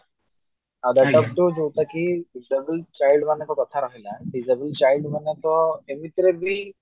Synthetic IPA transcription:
ad̪aʈɔk̚ʈod͡zowt̪akiːɖid͡zəbəlt͡ɕajilɖmənːak̪ɔkət̪ʰaɾaɦilaɖid͡zəbəlt͡ɕailɖmənːat̪ɔemit̪ɾebi

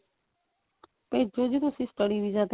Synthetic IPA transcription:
ped͡ʒod͡ʒiɾusisʈəɽiʋid͡ʒat̪

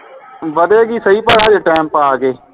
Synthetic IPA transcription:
ʋəd̪eːɡiːsəɦiːpəɽaːd͡ʒeʈɛːmpaːɡeː

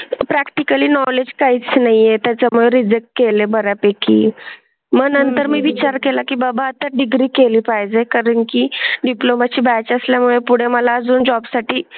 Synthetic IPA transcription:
pɾakʈikəliːnɔled͡ʑkaiːt͡snaɦijet̪jat͡ɕamuɭeɾid͡zek̚ʈ̚kelebəɾapekḭː | məɡnənt̪əɾmiːʋit͡ɕaɾkelakiːbabaət̪ːaɖiɡɾiːkeliːpajd͡zekaɾəɳkiɖiplomat͡ɕiːbajt͡ɕəsljamuɭepuɽ̤eməlaəd͡zuːnd͡ʑɔbsaʈiː

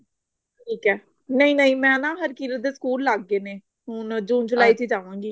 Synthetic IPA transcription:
ʈʰiːkɛː | nəĩːnəĩːmɛ̃ːnãːɦəɾkiːləd̪eːsə̥kuːlːaːɡːeːneː | ɦʊnd͡ʒuːnd͡ʒʊlaːiːt̪iːd͡ʒaːʋãːŋɡiː

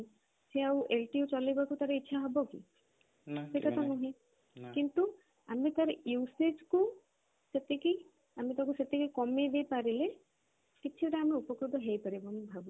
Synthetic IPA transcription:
seawʔelʈiut͡ʃɔlejbakut̪aɾeitːʃʰaɦɔbokḭ | sekat̪ɔnɔɦĩ | kint̪u | amet̪aɾised͡ʒku | set̪ːeki | amit̪ɔkuset̪ːekikɔmed̪epaɾile | kiːt͡ʃʰiʈaːmeupɔkɾud̪ʱɔɦejpəɾibɔmbʱabu

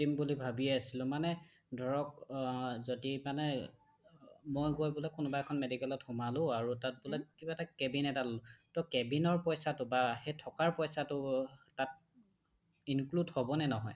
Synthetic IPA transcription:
timbulibʱabiɛasilʊ̃manɛ | dʱɔɹɔk̚ | zodimanɛ | mojɡojbulɛkʊnʊbaɛkʰɔnmedikɛlɔthumalʊ̃aɹutat̚bulɛkibaɛtakebinɛtalʊtɔkɛbinɔɹpɔjsatʊbaxejtʰɔkaɹpɔjsatʊtat̚ | inkludhɔbɔnɛnɔɦɔj

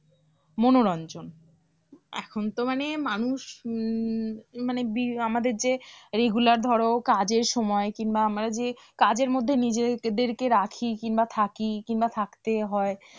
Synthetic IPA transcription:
monoɾɔnd͡ʑon | ɛ̰kʰont̪omanemanuʃ | manebiamad̪eɾd͡ʑeɾeɡulaɾd̪ʱɔɾokad͡ʑeɾʃɔmɔekinbaamɾad͡ʑekad͡ʑeɾmod̪ʱːenid͡ʑed̪eɾkeɾakʰikinbat̪ʰakikinbat̪ʰakt̪eɦɔe

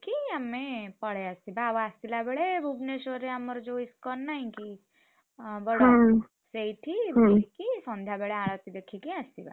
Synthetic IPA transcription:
kiəmːepəɽ̤east̪ibaʋast̪ilabeɭebʱubnesoɾeaməɾd͡ʒoiskɔnaĩki | bəɽ | seiʈʰibʱikisɔ̃nd̪ʱabeɭeaɭət̪id̪ekʰikiast̪iba̰

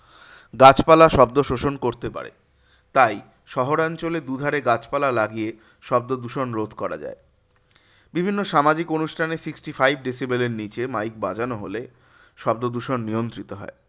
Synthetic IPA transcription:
ɡat͡ɕpalaʃɔb̚d̪oʃoʃonkoɾt̪epa̰ɾḛ | t̪aj | ʃɔɦoɾant͡ɕoled̪ud̪ʱaɾeɡat͡ɕpalalaɡie | ʃɔbd̪od̪uʃonɾod̪ʱkɔɾa̰d͡ʑa̰e | bibʱinːoʃamad͡ʑikonuʃʈʰanesiksʈifajb̚ɖisibeleɾnit͡ɕemajk̚bad͡ʑanoɦole | ʃɔb̚d̪od̪uʃonːijont̪ɾit̪oɦɔ̰e

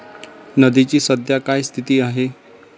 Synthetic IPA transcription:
nəd̪it͡ɕiːsəd̪ʱjakajst̪ʰit̪iːaɦe

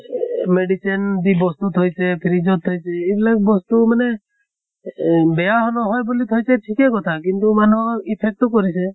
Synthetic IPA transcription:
meɖit͡ʃend̪ibɔst̪ut̪ʰɔjt͡ʃʰepʰɪɾid͡ʒɔt̪ʰːɔjt͡ʃʰeːblakbɔst̪uməne | bejaɦɔnɔɦɔjbolit̪ʰɔjt͡ʃʰeʈʰikekɔt̪ʰakint̪umanoɪpʰek̚ʈokɔɾit͡ʃʰe

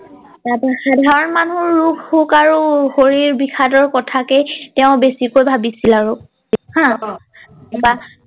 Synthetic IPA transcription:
apaxadʱaɹɔnmanuɹːukhukaɹuxoɹiɹbixʰadɔɹkɔtʰakɛtɛʊ̃besikojbʱabisilaɹu | hã | apa

